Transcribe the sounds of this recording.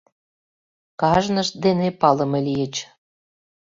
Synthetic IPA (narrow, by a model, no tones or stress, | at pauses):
kɑʒnəʃ̚d̪enepɑlə̆melijət͡ɕ